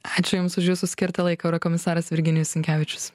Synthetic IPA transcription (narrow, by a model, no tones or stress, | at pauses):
ɑːt͡ʃʲʊjʊmsʊʃʲjuːsʊsʲkʲɪɾt̪ɐlˠɐɪkɐɐʊɾɐkɔmʲɪsɑːɾɐsʋʲɪɾʲɡʲɪnʲɪjʊssʲɪŋʲkʲæːʋʲɪt͡ʃʲʊ̥s